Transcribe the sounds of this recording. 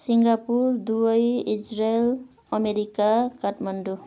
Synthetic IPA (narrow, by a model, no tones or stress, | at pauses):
siŋɡapurd̪uʌjid͡ʒrael | ʌmeɾikakaʈmʌɳɖu